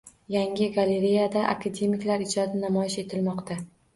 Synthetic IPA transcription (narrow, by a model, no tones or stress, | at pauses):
jaŋʲɪɡale̞ɾejad̪aʔa̰kʰad̪e̞mɪkʲlaɾɪd͡ʒɒd̪ɪnamɒjɪʃe̞t̪ʰɪlmɒqt̪ʰa